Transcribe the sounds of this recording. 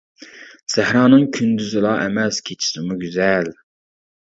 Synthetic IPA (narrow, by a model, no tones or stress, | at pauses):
sæhɾɑːnɨŋkʲʰynd̪yzɪlˠɑʔɛmɛskʲʰet͡ʃʰi̥sɪmuɡʲyzɛl